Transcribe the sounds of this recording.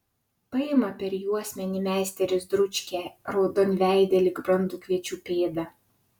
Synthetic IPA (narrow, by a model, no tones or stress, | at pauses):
pɐɪmɐpʲɛɾjuɔsʲmʲɛnʲiːˑmʲæˑːsʲt̪ʲɛɾʲɪsd̪ɾʊt͡ʃʲkʲɛɾɐʊd̪ɔnʲʋʲæˑɪd̪ʲɛlʲɪɡbɾɐnd̪uːkʲʋʲiɛt͡ʃʲuːpʲeːd̪ɐ